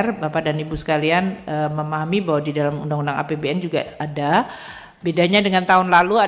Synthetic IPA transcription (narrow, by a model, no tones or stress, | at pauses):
rbapadanibusə̥kalianəməmaɦamibaɦwadidalamundaŋundaŋa̰pebeɛnd͡ʒuɡa̰ada | bedaɲadəŋant̪aɦʊnlalua